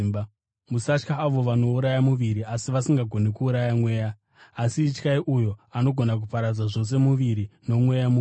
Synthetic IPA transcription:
b | musat͡ʃkaːʋo̞ʋano̞uɾajamuʋiɾiasiʋasiŋɡaɡʱo̞ne̞kuːɾajamwe̞ːjaː | siːt͡ʃkaiʔujo̞ano̞ɡʱo̞nak̬upaɾad͡zaʐo̞s̬e̞muʋiɾino̞mwe̞jamu

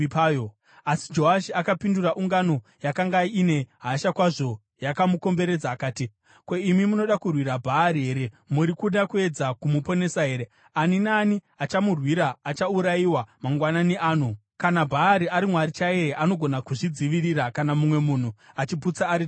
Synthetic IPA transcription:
pːjo | asi̥d͡ʒo̞ɦaʃiakapinduraʔuŋɡano̞ | jakaŋɡaine̞ɦaʃakwaʐo̞ | jakamuko̞mbe̞ɾe̞d͡zaːkaːti | kwoimimuno̞ɗakurwiɾabʱaːɾiɦe̞ːɾe̞ | muɾikuɗakue̞d͡zakumupo̞ne̞saɦe̞ːɾe | aninaːni | at͡ʃamurwiɾaːt͡ʃauɾaiwamaŋɡwananiʔaːnu | kanabʱaːɾiaɾimwaɾit͡ʃaeʔano̞ɡʱo̞nakuʐid͡ziʋiriɾakanamumwe̞muːn̤uat͡ʃiput͡saːɾi

